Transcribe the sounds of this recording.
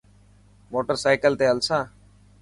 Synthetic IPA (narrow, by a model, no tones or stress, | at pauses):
moːʈəɾsaːɪkəlt̪eːəlsãː